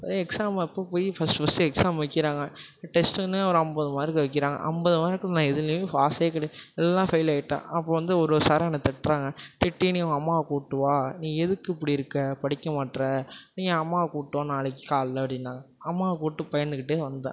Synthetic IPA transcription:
ɐ̃ɛksaːmpːoːpoːjifɐsʈɯfɐsʈɯɛksaːmʋɐkːɪɾaːŋɡɐ | ʈɛsʈɯnːɯɐʋɾɐmbɐðɯmaːðɾɪkːɯʋɐk̬ːɪɾaːŋɡɐ̰ʔɐ̰mbɐðɯmaːɾɪkːɯnãːɛðɯleːfaːseːkːɐɽeɛlːãːfɐɪlaːjɪʈːã̰ːɐpːoːʋɐnd̪ɯɔɾɯsaːɾɐnɐt̪ɛʈːɾaːŋɡɐt̪ɪʈːiniʊ̃ɐmːaːkuːʈːɯʋaːnĩːɛðɯkːɯɪpːɐɽiɪɾɯkːɐpɐɽɪkːɐmaːʈːɾɛnĩːɐmːaːkuːʈːõːnaːɭɐk̬ːɯkaːllɐpɐɽɪnːaːŋɡɐɐmːaːkuːʈːɯpɐjɐɾnd̪ɯkɪʈːɯʋɐnd̪ɯd̪ã̰

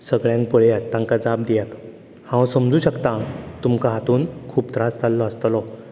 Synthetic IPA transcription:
səɡɭjãŋk̚pəɭjat̪ːãŋkad͡zab̚d̪ijat̪ | hãwsəmd͡zuːɕəkt̪ãt̪umkaɦat̪uːnkʰuːpt̪ɾast͡salːɔəst̪lɔ

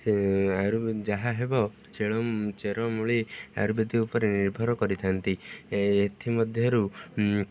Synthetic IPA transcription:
aɾud͡ʒaɦaɦebɔ | t͡ʃeɭɔt͡ʃeɾɔmuɭia̰ɾubed̪iupɔɾeniɾbʱɔɾɔkɔɾit̪ʰant̪iet̪ʰimɔd̪ʱjɔɾu

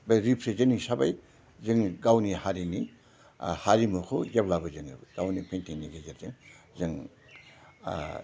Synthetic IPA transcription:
bajɾipʰɾezɯnisaba̰j | zɯŋɡawnihaɾini | haɾimukʰojablabɯzɯŋ̰bɡ̥awnipʰentʰiniɡezeɾzɯŋzɯŋ

